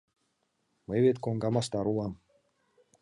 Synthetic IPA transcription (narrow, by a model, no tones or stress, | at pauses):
məjβet̪koŋɡɑmɑst̪ɑɾulˠɑm